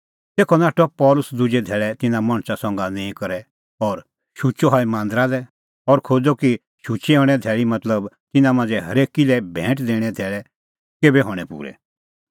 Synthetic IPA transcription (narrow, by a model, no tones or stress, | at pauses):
t̪eːkʰɔnaːʈɔpɔːlʊsd̪ʊd͡ʒed̪ʱɛːɭɛt̪ɪnãmɐ̃ɽ̃sasɔ̃ːŋɡanẽːĩkɐɾɛ | ɔːɾ | ʃut͡ʃɔɦɔːimãːnd̪ɾadɛ | ɔɾkʰoːd͡zɔki | ʃʊt͡ʃeɦɔːɽ̃ɛd̪ʱɛːɭimɐt̪ləb | t̪ɪnãmãːnd͡zɛɦɐɾeːkilɛbʱɛ̃ːʈd̪eːɽ̃ɛd̪ʱɛːɭɛ | keːbɛɦɔːɽ̃ɛpṵːɾɛ̰